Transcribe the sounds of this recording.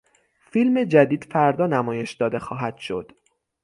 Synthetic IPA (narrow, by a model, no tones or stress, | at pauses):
filme̞d͡ʒæd̪iːd̪̥fæɾd̪ɒːnæmɒːje̞ʃd̪ɒːd̪e̞xɒːɦæd̪̥ʃo̞̰d̪̥